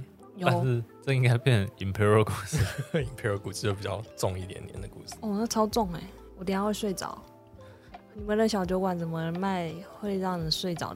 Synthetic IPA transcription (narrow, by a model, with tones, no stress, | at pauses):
joa˥˧˦ʂɻ̩˥˧ʈ͡ʂə˥˧i˥˧ŋka˥ɪpjɛ˥˩ni˨˩mpʰɛ˧˥ɹo˧˩ku˥˩s̩˥˩i˨˩mpʰɛ˧˥o˧ku˨˩s̩˧t͡ɕo˥˩ʊpi˨˩t͡ɕɑ˥˧ʊʈ͡ʂʊ˥˧ŋi˥˩t̪jɛ̰˨˩njɛ̰˧˦nd̪ə˨kṵ˥˩ʂɻ̩̥˥˦ɔ˥˧˩na˥˩t͡sʰɑ˥ʊt͡sʊ˥˩ŋe˨˩ɪ | wɔ˨˩t̪i˥˩jɑ˥xwswe˥˩ɪt͡sɑ̰˨˦ʊ | ni˨˩mə˨˦nd̪ə˧˩ɕjɑ˨ʊt͡ɕjo˧˥ʊkwa˨˩nt͡sə˨˩nmə˧˦ə˧˦nma˥˧ɪxwe˥˧ɪɻɑ˥˩ŋə˨˩swe˥˩ɪt͡sɑ̰˨˩ʊ